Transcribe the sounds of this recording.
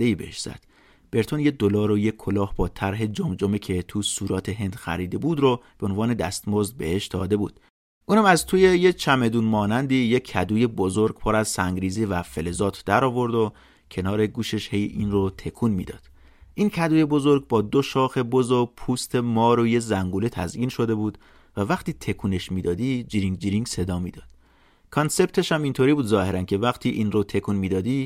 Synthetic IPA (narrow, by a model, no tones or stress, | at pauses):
d̪eiːbḛhḛʃz̥æ̰d̪̥ | b̥e̞ɾt̪ʰonjed̪olɒːɾojekʰolɒːhbɒːt̪ʰæɾɦe̞d͡ʒomd͡ʒomecʰe̞t̪ʰusuːɾɒːt̪ʰeɦe̞nd̪̥xæ̰ɾiːd̪e̞buːd̪ɾob̥eonvɒːne̞d̪æ̰st̪mozd̪̚be̞̰he̞ʃd̪̥ɒ̰ːd̪e̞bṵːd̪̥ | ʔuːnhæmæzt̪ʰuːjejet͡ʃʰæme̞d̪uːnmɒːnænd̪iːjecʰːæd̪uːje̞bozoɾɡ̥pʰoɾæz̥sæŋɡɾiːzivæfe̞le̞zɒːt̪ʰd̪æɾɒːvo̞ɾd̪o | cʰe̞nɒːɾeɡuːʃe̞ʃhe̞jiːnrot̪ʰe̞kʰuːnmḭːd̪ɒ̰ːd̪̥ | ʔincʰæd̪uːje̞bo̞zo̞ɾɡ̚bɒːd̪oʃɒːxe̞bozopʰuːst̪ʰe̞mɒːɾojezæŋɡuːlet̪ʰæ̰zʔiːnʃo̞d̪ebuːd̪̥ | vævæxt̪ʰiːt̪ʰe̞kʰuːne̞ʃmiːd̪ɒːd̪iːd͡ʒiɾiŋɡd͡ʒiɾiŋɡse̞d̪ɒːmiːd̪̥ɒːd̪̥ | kʰɒnse̞bt̪ʰe̞ʃæmint̪ʰoɾibuːd̪zɒːhe̞ɾæncʰe̞væxt̪ʰiːʔiːnrot̪ʰe̞kʰuːnmiːd̪ɒːd̪iː